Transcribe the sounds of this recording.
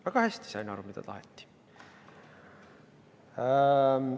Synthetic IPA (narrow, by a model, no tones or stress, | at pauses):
æɡ̥ɑhæsʲt̪i̥sɑjnɑɾumid̪̥ɑ̰t̪ɑ̰ɦet̪ːi̥